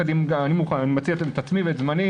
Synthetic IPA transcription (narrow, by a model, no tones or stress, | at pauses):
ad̪imɡaanimuχananimat͡siatt̪at͡smiveetzmani